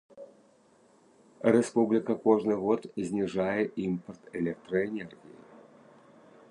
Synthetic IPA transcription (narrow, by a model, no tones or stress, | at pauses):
ɾʲɛspublʲɪkəkɔʐnɨɣɔt̪zʲnʲɪʐajɪimpərt̪ɛlʲɛk̚t̪ɾəɛnʲɛrɣʲɪ̰jɪ̰